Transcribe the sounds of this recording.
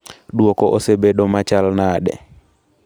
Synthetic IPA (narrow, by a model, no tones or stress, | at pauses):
ɗwokɔʔosebeɗɔmat͡ʃalnaɗɛ̰